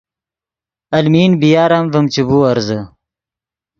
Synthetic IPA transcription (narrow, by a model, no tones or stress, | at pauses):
ɐlmiːnbijaːɾamvəmt͡ʃibuːɐɾzə